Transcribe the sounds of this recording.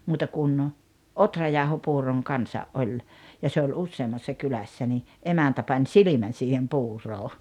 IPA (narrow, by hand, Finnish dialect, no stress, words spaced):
muːtɑ kun otrɑjɑˑohopuːroŋ kɑnsɑʔ ʔolʲ jɑ se olʲ usːeːmːɑsːɑ kylæsːæ ni emæntæ pɑnʲ silimæn̞ siːhem puːroː